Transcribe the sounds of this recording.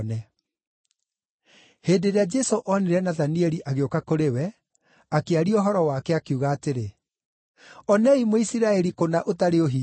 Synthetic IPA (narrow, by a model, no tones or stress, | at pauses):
nɛ | heːdeɾead͡ʒɛsoʔɔneɾɛnaðaniɛɾiʔaɣeokakoɾewɛ | akeaɾioɦɔɾɔwaːkɛakeuɣaːteɾe | ɔnɛimoisiɾaɛɾikonaʔotaɾeoɦi